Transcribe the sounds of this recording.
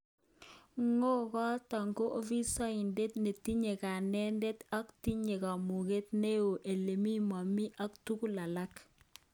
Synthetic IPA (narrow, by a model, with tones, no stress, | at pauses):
ŋo˦kɔ˦ta˨ŋɡo˦ʔo˦vi˦sa˦i˨nde˦tne˨ti˦ɲe˨ka˨nɛ˦nde˦ta˦kti˦ɲe˨ka˨mu˨ke˦tne˦o˨ʔe˨le˨mi˦ma˨mi˦ʔa˦ktu˦ku˦la˨la˦k